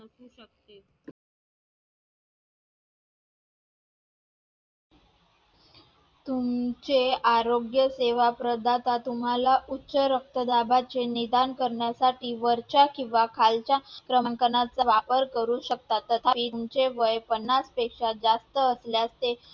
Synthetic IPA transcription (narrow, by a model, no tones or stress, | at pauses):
t̪umt͡ɕeaɾoɡjəseʋapɾəd̪ʱat̪at̪um̤alaʔutːɕəɾək̚t̪əd̪abat͡senid̪ankəɾɳjasaʈiːʋəɾt͡ɕakĩw̃ʋakʰalt͡ɕjakɾəŋkənat͡saʋapəɾkəɾuɕək̚t̪at̪ːət̪ʰaiːmt͡ɕeʋəjpənːaspekʂad͡zast̪əːsljast̪e